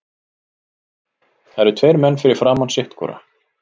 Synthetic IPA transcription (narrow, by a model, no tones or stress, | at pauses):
θaɛɾɛɾt̪ʰvejɾmɛnːfɪɾɪɾ̥fɾaːmansɪht̪kʰɔ̰ːɾa̰